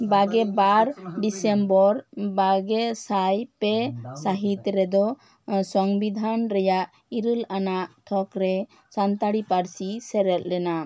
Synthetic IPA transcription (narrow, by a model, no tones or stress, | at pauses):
baɡɛbaɾɖisɛmbɔɾbaɡɛsajpɛsaɦit̪ɾɛd̪ɔ | sɔŋbid̪ʱanɾɛjaʔ | iɾəlanaʔt̪ʰɔkɾɛ | sant̪aɽipaɾsisɛɾɛl̚ɾɛna